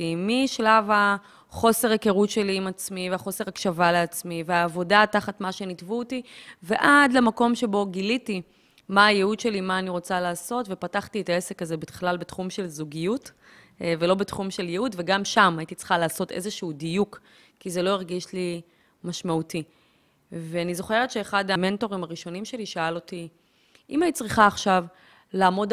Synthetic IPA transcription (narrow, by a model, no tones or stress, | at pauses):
imiʃlava | χo̞se̞ʁakeʁutʃe̞liimat͡smiveaχo̞se̞ʁakʃavaleat͡smiveaːvo̞dataχatmaʃe̞nitvuotive̞ʔadlemako̞mʃe̞bo̞ɡiliti | maːjeud̪ʃe̞limaːniʁo̞t͡salaːso̞tve̞pataχtietae̞se̞kazebetχlalbetχumʃe̞lzuɡijut | velo̞betχumʃe̞ljeutve̞ɡamʃamajitit͡sχalaːso̞tʔe̞̰zeʃuudijuk | kːizelo̞iʁɡiʃli | maʃmauti | veanizo̞χe̞ʁet̪ʃe̞ːχadame̞nto̞ʁimaʁiʃo̞nimʃe̞liʃaalo̞ti | ʔimanit͡sʁiχaːχʃav | laːmo̞d